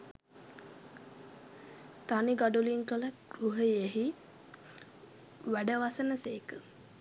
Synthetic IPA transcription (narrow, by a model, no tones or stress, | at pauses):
t̪aniɡaɖuliŋkələɡɾuɦəjeɦi | ʋæɖəʋasənəseːkə